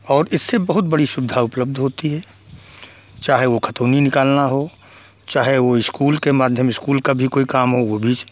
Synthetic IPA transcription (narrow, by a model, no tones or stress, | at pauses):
ɔːɾɪsːebəɦʊt̪̚bəɽisʊbɪd̪ʱaʊpləb̚d̪ʱɦoːt̪iɦɛː | t͡ʃaːɦeʋokʰət̪oːninɪkaːlnaɦo | t͡ʃaːɦeʋoɪskuːlkemaːd̪ʱjəmɪskuːlkabʱikoːikaːmɦoʋobʱiːt͡ʃ